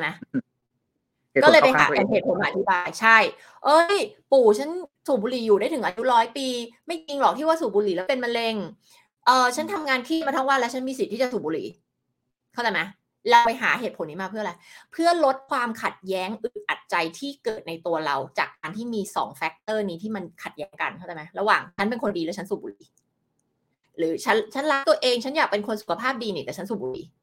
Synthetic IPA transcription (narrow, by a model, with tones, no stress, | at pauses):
ma˦˥ | kɔː˥˩ɤː˧jpa˧jɦa̰ː˩˦˨heː˨˩t̪̚pʰo˨˦nmaː˧˨a˧t̪ʰi˦˥baː˧jt͡ɕʰa˥˩j | ʔɤ˦˥jpuː˨˩t͡ɕʰa˦˥nsuː˨˩buː˧liː˨˩juː˨˩ɾaː˥˩jt̪ʰɯ˩˦ʔaː˧ju˦˥ɾɔː˦˥jpiː˧ma˥˩jki˧ŋlɔː˨˩k̪̚ʰiː˥˩waː˥˩suː˨˩buː˧li˨˩ɛ˦˥wpe˧nma˧nle˧ŋ | ʔɤː˨˩t͡ɕʰa˦˥nt̪ʰa˧mŋaː˧nkʰiː˥˩maː˧t̪ʰa˥˩waː˧˩lɛ˦˥t͡ɕʰa˦˥nmiː˧s̬i˨˩t̪̚ʰːiː˥˩a˨˩suː˨˩buː˧lḭ˨˩˦ | kʰa˥˩t͡ɕa˧jma˦˥ | la˧wpa˧jɦaː˩˦ɦeː˨˩t̪̚pʰo˩˦nːiː˦˥maː˧pʰɯ˥˩˨ɾa˧˦jpʰɯ˥˩ɐlo˦˥t̪̚kʰwaː˧mkʰa˨˩t̪̚jɛː˦˥ŋʔɯ˨˩ʔa˨˩t̪̚t͡ɕa˧jt̪ʰiː˥˩kɤː˨˩t̪̚na˧jt̪u˧ɐɾa˧wt͡ɕaː˨˩kːaː˧nt̪ʰiː˥˩miː˧sɔ̰ː˩˦ŋfɛ˦˥k̚t̪ɤː˥˩niː˦˥t̪ʰiː˥˩ma˧nkʰa˨˩t̪̚jɛː˦˥ŋka̰˧nkʰa˥˩t͡ɕa˨˩jma˦˥jɾa˧waː˨˩ŋt͡ɕʰa˦˥np̬e˧nkʰo˧ndiː˧lɛ˦˥t͡ɕʰa˦˥nsuː˨˩buː˧liː˩˦ | ɾɯː˩˦t͡ɕʰa˦˥nt͡ɕʰa˦˥nla˦˥t̪u˧ɐʔeː˧ŋt͡ɕʰa˦˥njaː˨˩k̚pe˧nkʰo˧nsu˨˩kʰa˧pʰaː˥˩p̚diː˧niː˨˩t̪ɛː˨˩a˦˥nsuː˨˩buː˧lḭː˨˩˦